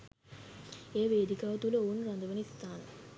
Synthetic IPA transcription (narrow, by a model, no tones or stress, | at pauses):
eːʋeːd̪ikaːʋɐt̪uləoːnɾand̪əʋənist̪aːnə